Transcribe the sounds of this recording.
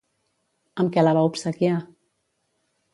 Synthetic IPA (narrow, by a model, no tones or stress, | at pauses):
əmkɛlaβaupsəkja